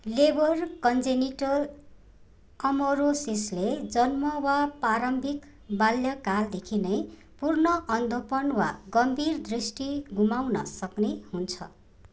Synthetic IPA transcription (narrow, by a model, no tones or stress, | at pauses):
lebʌrkʌnd͡zeniʈʌr | kʌmoɾosisled͡zʌnmʌwapaɾʌmbʱik | baljʌkald̪ekʰinʌj | purnʌʔʌnd̪ʱopʌnwaɡʌmbʱird̪risʈiɡumawnʌsʌknehunt͡sʰʌ̰